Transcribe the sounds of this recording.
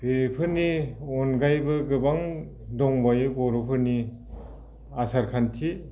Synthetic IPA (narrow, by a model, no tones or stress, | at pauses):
b̥eɾipʰɯɾniɔnɡajbɯɡɯbaŋ | dɔŋbajɡɔɾupʰɯɾni | asaɾkʰantʰi